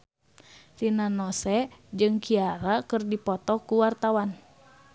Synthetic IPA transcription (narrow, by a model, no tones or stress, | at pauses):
tinanɔsɛd͡ʒɨŋkiaɾakɨrdipɔt̪ɔkuwart̪awan